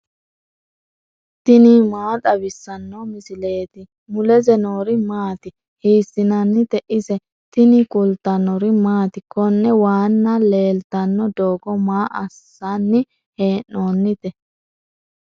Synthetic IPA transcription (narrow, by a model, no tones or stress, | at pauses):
t̪ɪnimaːt̪ʼɐbɪsːɐnːɔmɪsɪle̞ːt̪ɪ | mʊlɛzɛnoːɾɪmaːt̪ɪ | hiːsɪnɐnːɪt̪ɛʔɪsɛ | t̪ɪnɪkʼʊlt̪ɐnɔɾɪmaːt̪ɪkːɔnːɛwaːnːɐle̞ːlt̪ɐnːɔd̪oːɡɔmaːʔɐsːanːɪ | heːnːoːnːɪt̪ɛ